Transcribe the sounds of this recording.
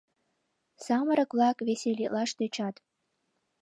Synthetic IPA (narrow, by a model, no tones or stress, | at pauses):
sɑməɾə̆kβlɑkβesʲelʲilɑʃt̪øt͡ɕɑt̪